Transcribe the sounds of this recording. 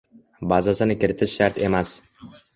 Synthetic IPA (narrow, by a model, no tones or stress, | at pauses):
bazasɪnɪkʲɪɾɪt̪ʰɪʃʃaɾt̪ʰe̞mas